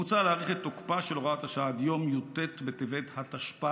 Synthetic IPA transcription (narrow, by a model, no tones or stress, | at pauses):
ut͡saleaʁeχet̪ːokpaʃeloʁaat̪aʃaad̪jo̞mjot̪et̪bet̪evet̪hat̪aʃpa